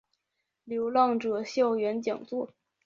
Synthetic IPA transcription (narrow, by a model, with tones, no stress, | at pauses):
ljo˧˥ʊlwɑ˥˩ŋʈ͡ʂɤ˨˩ɕjɑ˥˩ʊɥɛ˧˥nt͡ɕjɑ̰˨˩ŋt͡swɔ˥˩